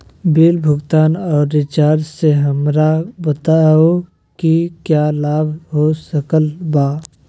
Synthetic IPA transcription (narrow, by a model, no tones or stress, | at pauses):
bilbʱʊɡt̪aːnɔːɾːɪt͡ʃaːɾd͡ʒseɦəmɾabət̪ao | kikjaːlaːbɦosəkəlbaː